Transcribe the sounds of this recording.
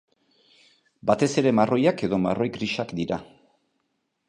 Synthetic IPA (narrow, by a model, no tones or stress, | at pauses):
bat̪e̞se̞ɾe̞maro̞jake̞ðo̞ma̰ro̞jɡɾiʃakd̪iɾa